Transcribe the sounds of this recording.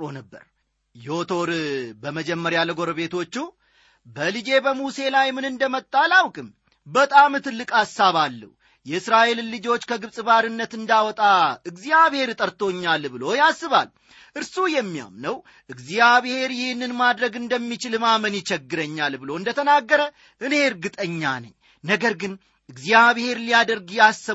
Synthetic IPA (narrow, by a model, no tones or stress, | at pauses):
onəbːə̰ɾ | jɛot̪ʰo̞ɾbəməd͡ʒɛmːəɾjaləɡo̞ɾəβe̞t̪ʰo̞t͡ʃːu | bəlɨd͡ʒe̞bəmuse̞lajmɨnɨnd̪əmət̪ʼːalawkʼɨm | bət̪ʼamɨt̪ʰɨlːɨkʼasːaβalːə̰h | jɛɨsɾaʔe̞llɨd͡ʒo̞t͡ʃːkʰəɡɨβsʼɨβaɾɨnːət̪ɨnd̪awɔt̪ʼaɨɡzjaβhe̞ɾt̪ʼəɾt̪ʰo̞ɲːalbɨlo̞jasːɨβa̰l | ʔɨɾsujɛmːija̰mnəw | ʔɨɡzjaβhe̞ɾjɪhnːɨnmad̪ɾəɡɨnd̪əmːit͡ʃɪlmamənjɪt͡ʃɛɡːɨɾəɲːalbɨlo̞ɨnd̪ət̪ʰənaɡːəɾə | ʔɨne̞ɨɾɡɨt̪ʼəɲːa̰nə̰ɲː | nəɡəɾɡɨn | ɨɡzijaβhe̞ɾlijad̪əɾɡjasːə